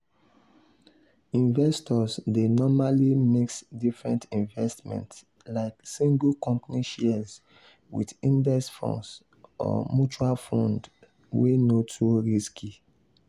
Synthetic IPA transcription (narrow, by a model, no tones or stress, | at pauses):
ĩɱvɛstɔsdenɔmalimeksdifɹɛ̃ntĩnvɛstmɛ̰̃nts | laɪksĩŋɡukɔ̃mpniʃɛz | wḭdĩndɛsfɔ̰̃ns | ɔ̰mjut͡ʃualfɔ̃nd | wenotʰuɹiskʰi